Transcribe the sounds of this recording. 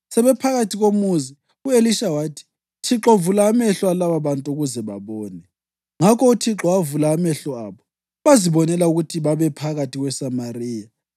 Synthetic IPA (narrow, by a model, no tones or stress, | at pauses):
sɛβɛpʰaɣatʰiɣomuzi | ueliʃawaːtʰi̥ | tʰiǁɔvulaːmɛɬwalaβaβantʼuɣuzɛβa̰βɔːnɛ | ŋakʰɔutʰiǁɔwavulaːmɛɬɔaːβɔ | βaziβɔnɛlauɣutʰiβaβɛpʰaɣatʰiɣwɛsamariːja